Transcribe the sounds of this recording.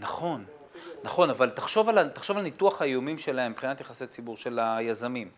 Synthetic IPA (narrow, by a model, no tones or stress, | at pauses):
naχo̞nː | aχo̞navalt̪aχʃo̞valat̪aχʃo̞valnit̪uaχhajomimʃe̞laembχinat̪jaχaset͡sibuʁʃe̞lajazamim